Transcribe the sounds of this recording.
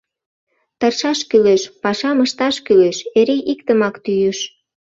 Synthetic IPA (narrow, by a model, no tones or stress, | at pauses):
t̪ərʃɑʃkyleʃpɑʃɑməʃt̪ɑʃkyleʃeɾeʔikt̪əmɑkt̪yjyʃ